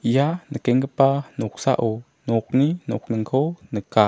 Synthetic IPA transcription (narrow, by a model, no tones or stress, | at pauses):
janəkɛŋkəpanɔk̚sa̰ʔo | nɔk̚ninɔk̚nəŋkʰownəka